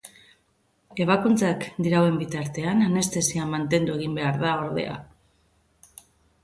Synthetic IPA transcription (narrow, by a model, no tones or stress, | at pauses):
e̞β̞akunt͡sakd̪iɾawe̞mbit̪aɾt̪e̞anane̞st̪e̞siamant̪e̞nd̪ue̞ɣ̞imbe̞aɾðao̞ɾðḛa̰